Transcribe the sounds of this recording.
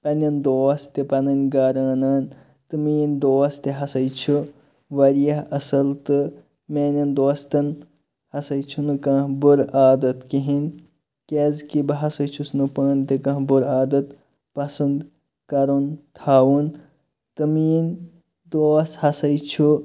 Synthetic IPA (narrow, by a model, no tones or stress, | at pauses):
pɐnʲɐnd̪oːst̪ipɐnɐnʲɡɐɾaːnɐːn | t̪ɨmiːnd̪oːst̪iɦɐsɐjt͡ʃʰu | ʋɐɾijɐɦɐsɐlt̪ɨ | meːnʲɐnd̪oːst̪ɐn | hɐsɐjt͡ʃʰunɨkɐ̃ːhbuɾaːd̪ɐt̪kiɦin | kezkibɐɦɐsɐjt͡ʃʰusnɨpaːnt̪ikɐ̃ɦbuɾaːd̪ɐt̪ | pɐsɐnd̪ | kɐɾunt̪ʰaːwun | t̪ɨmiːn | d̪oːshɐsɐjt͡ʃʰu